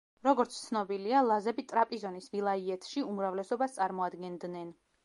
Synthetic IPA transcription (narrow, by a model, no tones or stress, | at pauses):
ɾɔɡɔɾt̪sʰt̪sʰnɔbilialˠazɛbit̪ʼɾapʼizɔnisvilˠaiɛt̪ʰʃiumɾavlɛsɔbast̪sʼaɾmɔad̪ɡɛnd̪nɛn